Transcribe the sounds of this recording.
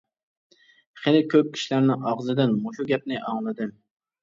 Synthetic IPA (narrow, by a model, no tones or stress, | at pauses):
χenɪkʲʰøp̚kʲʰi̥ʃilæɾnɪɑʁzɨd̪ɪnmoʃuɡʲɛp̚nɪʔɑŋlˠɨd̪ɪn